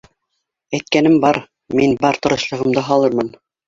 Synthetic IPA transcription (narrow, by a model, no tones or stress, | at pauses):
æjt̪̚kænɘmbɑɾ | minbɑɾt̪ɤ̆ɾɤ̆ʃlˠɤ̆ʁɤ̆md̪ɤɦɑlˠɤɾmɤn